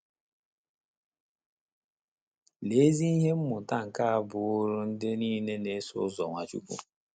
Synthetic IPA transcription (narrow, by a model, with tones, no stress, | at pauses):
le˨˦zi˦i˦ɦe˦m̩˦mʊ˨ta˦˨ŋ̩˨ka˦a˨bʊ˨ʊ˦ɾʊ˦n̩˦dɪ˦niː˦ne˦ne˦sʊ̰˦zɔ˨ŋʷa˨t͡ʃṵ˦kʷṵ˦